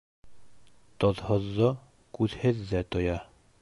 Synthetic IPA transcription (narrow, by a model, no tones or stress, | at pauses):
t̪ŏðhŏðːo | kʉðhɘðːæt̪ŏjɑ